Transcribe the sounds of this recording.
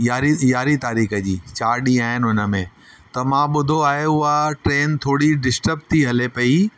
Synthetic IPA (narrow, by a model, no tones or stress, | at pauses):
jaːɾijaːɾit̪aːɾiːxəd͡ʑiːt͡ɕaːɾɗiaːɦɪnɪʊnə̆mẽ | t̪ɐmãːɓʊd̪ʱoaːɦeʊɦaʈɾeːnt̪ʰoːɽiɖɪsʈəb̚t̪ʰiɦɐlepɐi